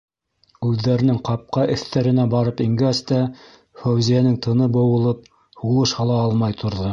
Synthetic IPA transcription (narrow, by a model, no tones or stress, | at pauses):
ʉðːæɾɘ̆nɘŋqɑp̚qɑʔɘ̆θt̪æɾɘ̆næbɑɾɤpiŋɡæst̪æ | fæwzijænɘŋt̪ʰɤ̆nɤbɤ̆wɤ̆lˠɤp̚ | hulˠɤʃhɑlˠɑɑlˠmɑjt̪ʰŏɾðɤ